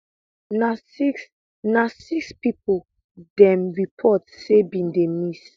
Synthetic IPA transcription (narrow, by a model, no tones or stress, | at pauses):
nas | nasikspipol | dɛ̃mɹipʰɔtsebĩndemis